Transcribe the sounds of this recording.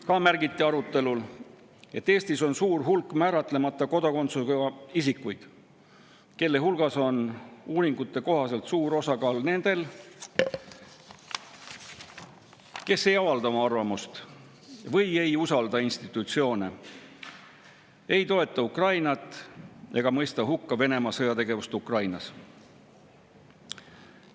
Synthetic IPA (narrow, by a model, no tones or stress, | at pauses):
kɑːmærɡ̥it̪ˑːiɑɾut̪ːˑe̞lul | e̞t̪ːe̞ːst̪iso̞nsuːrɦulkːˑmæːɾɑt̪le̞mɑt̪ːˑɑko̞d̪̥ɑko̞nt̪sukɑisikːujd̪̥ | ke̞lːe̞ɦulɡ̥ɑso̞nuːɾiŋɡ̥ut̪ːe̞ko̞ɦɑse̞lt̪suːɾo̞sɑkɑːlne̞nd̪̥e̞l | ke̞sːe̞jɑvɑld̪ɑomɑɑrvɑmust̪ | vɤje̞jusɑld̪ɑinst̪it̪ːˑut̪sio̞ːne | e̞jt̪o̞e̞t̪ːˑɑukrɑjnɑt̪ːˑeɡ̥ɑmɤ̞jst̪ɑɦukːɑve̞ne̞mɑsɤjɑt̪e̞ɡe̞vust̪ukrɑjnɑs